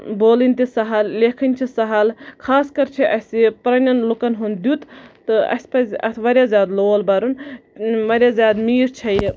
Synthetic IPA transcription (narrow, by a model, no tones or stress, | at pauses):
boːlinʲt̪isɐɦɐlleːkʰɐnʲt͡ʃʰisɐɦɐlkʰaːskɐɾt͡ʃʰiʔɐsipɾɐnʲɐnlukɐnɦund̪jut̪t̪ɨɐ̰sʲpɐsɐ̰t̪ʰʋɐɾjaːzjaːd̪loːlbɐɾunʋɐɾʲjaːzʲjaːd̪miːɾt͡ʃʰɐji